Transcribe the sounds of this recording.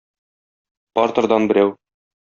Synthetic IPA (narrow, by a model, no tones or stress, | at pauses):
pɒɾt̪ɤ̆ɾd̪ɑnbɘ̆ɾæw